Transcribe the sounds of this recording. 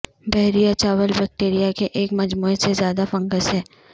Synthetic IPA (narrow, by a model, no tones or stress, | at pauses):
bɛɦɾijat͡ʃaːʋəlbɛːk̚ʈeːɾijakeʔeːkmɐd͡ʒmuːesezjaːd̪afɐ̃ŋɡəsɦɛː